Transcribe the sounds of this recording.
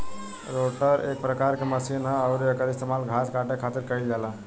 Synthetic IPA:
ɾoʈəɾḛk̚pɾəkaɾkeməsinɦəəʊɾekəɾist̪emalɡʱaskaʈekʰat̪iɾkəild͡ʒala

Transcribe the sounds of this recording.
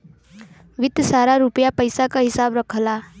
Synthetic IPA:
ʋɪd̪saːɾaɾupjapəjsakaɦɪsaːbɾɐkʰlaː

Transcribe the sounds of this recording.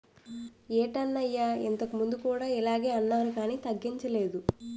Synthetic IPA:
eːʈɐnːɐjːaent̪ɐkumund̪ukuːɽaːɛlaːɡe̞ːɐnːaːɾukaːniːt̪ɐɡːiɲt͡ʃɐle̞ːd̪u

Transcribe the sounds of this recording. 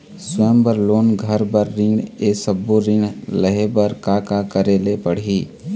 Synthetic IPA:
sʊəmbəɾloːnɡʱəɾbəɾːiɽesəbːoɾĩɽləɦebəɾkakakəɾelepəɽ̤iː

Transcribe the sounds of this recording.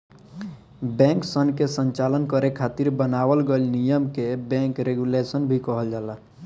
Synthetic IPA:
bɛ̃ːŋksənkesə̃ɲt͡ʃalənkəɾekʰaːt̪iɾbənawəlɡəlnijəmkebɛ̃ːŋkɾeɡulesənbʱikəɦəld͡ʒala

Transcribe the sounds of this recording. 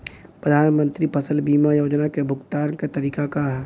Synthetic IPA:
pɾəd̪ʱaːnmə̃nt̪ɾipʰɐsəlbiːmajoːd͡ʒnakebʱʊɡt̪aːɾket̪ɐɾiːkakaɦ

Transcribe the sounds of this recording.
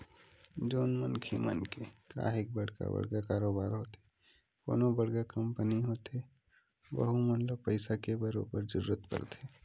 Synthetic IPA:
d͡ʒoːnmənkʰimə̰nkeka̰ːɦɪk̚bəɽka̰bə̰ɽɡakaːɾoːbaːɾɦoːt̪e | ko̰ːnobəɽɡakəmpəniɦoːt̪e | ʋə̰ɦũmənləbpəɪsakebəɾo̰bəɾd͡ʒəɾuːət̪pə̰ɾt̪eː

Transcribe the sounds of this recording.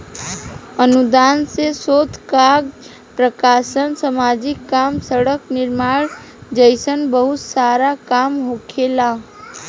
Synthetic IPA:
ənud̪ansesot̪ʰkaɡ | pɾəkasənsəmad͡ʒikːamsəɽəkniɾmaɾ | d͡ʒəɪsənbəɦut̪saɾakamɦokʰela

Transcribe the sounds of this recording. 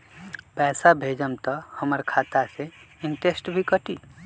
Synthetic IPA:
pɛːsabʱeːd͡ʒəmt̪ɔhəməɾkʰaːt̪aseɪɳʈesʈbʱikəʈiː

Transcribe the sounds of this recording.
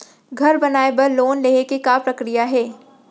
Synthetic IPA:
ɡʱɐɾbɐnaːebɐɾloːnleːekikapɾɐkɾijaɦɛː

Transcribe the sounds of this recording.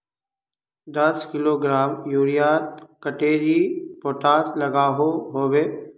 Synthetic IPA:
d̪ɐskɪloːɡɾaːmjuːɾijaːt̪kəʈeːɾipoːʈaːslɐɡaːɦoɦoːweː

